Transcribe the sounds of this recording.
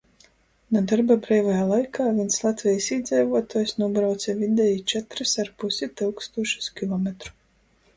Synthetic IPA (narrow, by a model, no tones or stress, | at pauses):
nud̪aɾbabɾɛːvajaːlˠajkʰaːvʲiɛnslˠat̪vʲɛjisid̪zɛjvuɔt̪aːjsnuɔbɾawt̪sʲɛvʲid̪ɛjit͡ʃɛt̪ɾɨsaɾpusit̪ɨwkst̪uɔʃu̥skʲilˠɔmʲɛt̪ɾu̥